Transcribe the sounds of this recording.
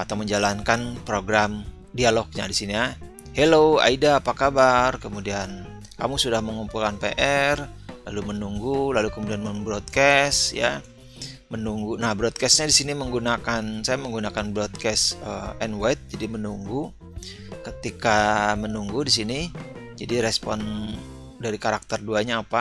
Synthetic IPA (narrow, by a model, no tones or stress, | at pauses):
at̪awməɲd͡ʒalankanpɾoɡɾam | dialɔk̚ɲa̰disinia | heloa̰idaːpakabarkəmudian | ka̰musudahməŋumpulkanpḛʔɛrlalumənuŋɡulalukəmudianməmbɾot̪̚kɛsja̰ | mənuŋɡunahbɾɔt̪̚kɛstɲadisiniməŋɡunakansajaməŋɡunakanbɾɔt̪̚kɛsəɛnwajt̪̚d͡ʒadimənuŋɡu | kət̪ikamənuŋɡudisinid͡ʒadiɾɛspɔn | daɾikaɾak̚t̪ərduaɲaːpa